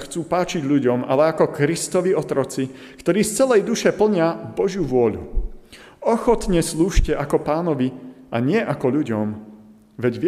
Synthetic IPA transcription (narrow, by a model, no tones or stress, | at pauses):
xt͡suːpaːt͡ʃiɟʎuɟɔma̰lɛakɔkɾist̪ɔʋiɔt̪ɾɔt͡si | kt̪ɔɾiːst͡sɛlɛjd̪uʃɛpl̩ɲɪavbɔʒjuʋʊɔʎṵ | ɔxɔt̪ɲɛsluːʃcɛʔakɔpaːnɔʋiaɲɪɛʔakɔʎuɟɔm | ʋɛɟʋɪ